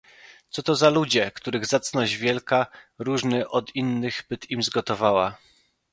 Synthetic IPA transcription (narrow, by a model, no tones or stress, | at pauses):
t̪sɔt̪ɔzalud͡ʑɛkt̪uɾɘɣzat̪snɔʑvʲjɛlkaɾuʐnɘʔɔd̪inːɘɣbɘt̪imzɡɔt̪ɔvawa